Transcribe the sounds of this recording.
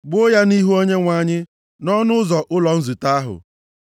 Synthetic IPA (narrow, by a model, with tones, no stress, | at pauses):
ɡ͡bʊ˦ja˦ni˦ɦu˦o˦ɲe˦ŋʷa˨ɲɪ˦ | nɔ˦nʊ˦zɔ˨ʔʊ˦lɔ˨n̩˦zu˨ta˦a˦ɦʊ̰˨